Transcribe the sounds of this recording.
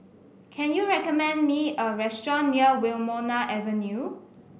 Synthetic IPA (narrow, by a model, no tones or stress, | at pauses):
kʰɛ̃njuɹɛkɔmɛ̃ndmiəɹɛstɹɔ̃nːiəwɪlmɔnaʔɛvə̃nju